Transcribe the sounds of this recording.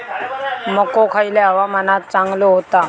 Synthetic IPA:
məkokʰaileaʋamənat̪̚t͡sãŋɡloɦot̪a

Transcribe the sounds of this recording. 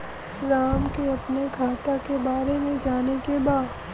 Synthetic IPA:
ɾaːmkeɐpnekʰaːt̪akebaːɾemẽd͡ʒaːnekebaːd̪

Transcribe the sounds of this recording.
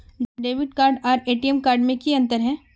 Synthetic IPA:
ɖeːʋɪɖkaːɾɖɔːɾeːʈiɛmkaːɾɖmẽkiɐ̃nt̪əɾɦɛ̃ː

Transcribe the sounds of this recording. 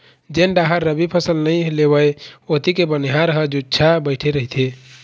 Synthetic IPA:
d͡ʒenɖaɦəɾːəbipʰəsəlnəj̃lebəjot̪ikebəniɦaɾəɦəd͡ʒudt͡ʃʰabəɪʈʰeɾəɦit̪ʰe

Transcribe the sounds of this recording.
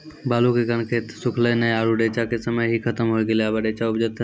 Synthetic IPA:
baːlukekənkʰet̪sʊkʰlənəjaːɾuɖeːt͡ʃakesəməjɦikʰət̪əmɦoeɡeleabaɖeːt͡ʃaʊbd͡ʒət̪

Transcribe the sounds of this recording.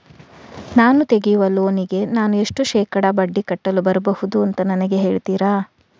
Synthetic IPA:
naːnut̪e̞ɡijuʋɐloːniɡe̞naːnue̞ʂʈuʃɛːkɐɽɐbɐɖːikɐʈːɐlubɐɾɐbɐhud̪uɐnt̪ɐnɐnɐɡe̞ɦe̞ːɭt̪iːɾaː

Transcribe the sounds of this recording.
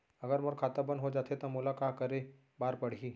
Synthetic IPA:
ɐɡəɾmʊɾkʰaːt̪abənɦod͡ʒaːt̪ʰet̪amulakakəɾe | baːɾpəɽ̤iː

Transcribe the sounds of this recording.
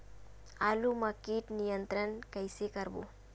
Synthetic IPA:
alumɐkiːʈnijənt̪ɾənkɐjsekɐɾbṵ

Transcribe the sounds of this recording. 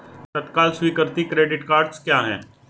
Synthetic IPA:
t̪ɐt̪kaːlswiːkəɾt̪ikɾeːɖɪʈkaːɾɖskjaːɦɛ̰̃ː

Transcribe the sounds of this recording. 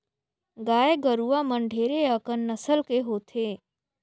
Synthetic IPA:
ɡaːeɡəɾuamə̃ɳɖʱeːɾeəkənːəsəlkeɦoːt̪ʰeː

